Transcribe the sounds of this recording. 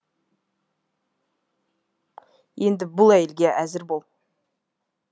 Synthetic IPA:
je̞nd̪ɪbʊlˠæje̞lɡʲeʔæzɪɾbo̞lˠ

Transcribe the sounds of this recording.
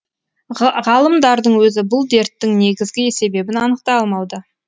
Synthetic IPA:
ʁɑlˠəmd̪ɑɾd̪əɴwɵzɪbʊlˠd̪e̞ɾt̪ːɪŋne̞ɡʲɪzɡʲɪe̞se̞be̞bɪnɑnəq̚t̪ɑɑlˠmɑwd̪ə

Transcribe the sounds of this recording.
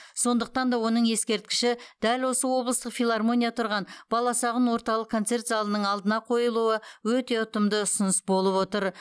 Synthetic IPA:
so̞nd̪əq̚t̪ɑnd̪ɑwo̞nəɴje̞skʲe̞ɾt̪̚kʲɪ̥ʃɪd̪̥ælwo̞səwo̞blˠəst̪əqfʲilˠɑrmo̞nʲijɑt̪ʰʊɾʁɑnbɑlˠɑsɑʁənwo̞ɾt̪ɑlˠəqkʰːot̪se̞rt̪zɑlˠənəɴɑlˠd̪ənɑqʰo̞jəlˠuəwɵt̪e̞ʊt̪əmd̪əʊsʊnəsbo̞lˠəpwo̞t̪əɾ

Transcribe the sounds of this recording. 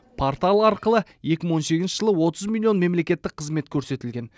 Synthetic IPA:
pʰo̞rt̪alˠɑɾqəlˠəje̞kʲɪməɴwo̞nsekʲɪnʃɪʒəlˠəwo̞t̪əzmʲilʲːio̞nme̞mle̞kʲe̞t̪ːɪk̚qʰːəzme̞t̪kʲʰɵɾse̞t̪ɪlɡʲe̞n

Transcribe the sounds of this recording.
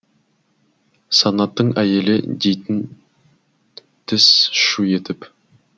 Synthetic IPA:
sɑnɑt̪ːəɴæje̞lɪ̰d̪e̞jt̪ɪn | t̪ʰɪsʃuje̞t̪ɪp

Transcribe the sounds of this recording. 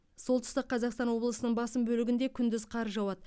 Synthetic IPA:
so̞lˠt̪ʰʏ̥st̪əqʰːɑzɑqst̪ɑnwo̞blˠəsənəɴbɑsəmbɵlɪɡʲɪnd̪e̞kʲʰʏnd̪ɪzqʰɑɾʒɑwɑd̪ə

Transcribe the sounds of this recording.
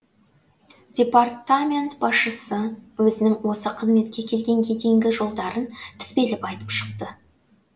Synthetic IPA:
d̥ʲe̞part̪amʲe̞nt̪bɑsʃəsəwɵzɪnɪŋwo̞səqʰəzme̞t̪kʲe̞kʲʰe̞lɡʲe̞ŋkʲʰe̞d̪eŋɡʲɪʒo̞lˠd̪ɑɾənt̪ʰɪ̥spe̞lɪpɑjt̪əpʃə̥q̚t̪ə

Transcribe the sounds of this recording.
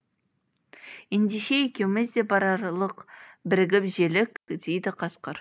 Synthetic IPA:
end̪eʃeekʲe̞wɪmɪzd̪e̞bɑɾɑɾlˠəqbɪɾɪɡʲɪpʒe̞lɪkd̪ejd̪ɪqʰɑsqəɾ

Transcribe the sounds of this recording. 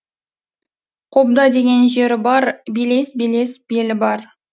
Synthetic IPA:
qʰob̚d̪ɑd̪e̞ɡʲe̞nʒe̞ɾɪbɑɾbele̞sbele̞sb̥elɪbɑɾ

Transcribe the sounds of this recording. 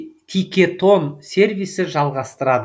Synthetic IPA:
t̪ʰijkʲe̞t̪ʰo̞nsʲe̞ɾvijsɪʒɑlˠʁɑst̪əɾɑd̪ə

